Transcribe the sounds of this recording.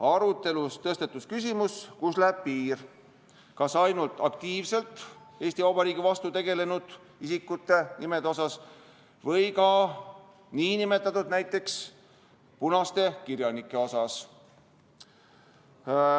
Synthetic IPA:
ɑɾut̪ːe̞lust̪ɤst̪et̪ːˑuskys̬ʲimuskuslæeb̥̚piːr | kɑsɑjnult̪ːˑɑk̚t̪iːvse̞lt̪ | eːst̪ivɑwbɑɾiːɡivɑst̪ut̪e̞ɡe̞le̞nud̪̥ | isikːut̪ːˑe̞nime̞d̪eo̞sɑs | vɤ̞jkɑ | niːnime̞t̪ːˑɑt̪ud̪næjt̪ːˑe̞ks | punɑst̪e̞kirjɑnikːˑe̞o̞sɑs

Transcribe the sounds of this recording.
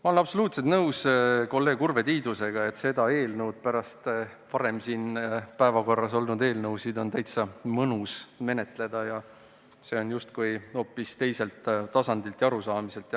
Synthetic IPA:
mɑolnɑb̥so̞luːt̪set̪nɤwsko̞lːe̞ːɡurve̞t̪iːd̪use̞ɡ̥ɑe̞t̪ːˑse̞d̪ɑe̞ːlnɤwd̪̥̚pæɾɑst̪ | pɑɾe̞msiːnpæevɑɡo̞rːɑso̞lnud̪e̞ːlnɤwsid̪o̞nt̪æjt̪sɑmɤnusme̞ne̞t̪ˑle̞d̪̥ɑjɑ | se̞ːo̞njust̪kujo̞ːpːˑist̪e̞jse̞lt̪t̪ɑsɑnd̪ilt̪ˑjɑɾusɑːmise̞lt̪ɑ

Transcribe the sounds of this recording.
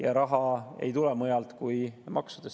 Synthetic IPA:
jɑɾɑɦɑe̞̰jt̪ulɛmɤjɑlt̪kujmʔɑ̰ksud̪̥es

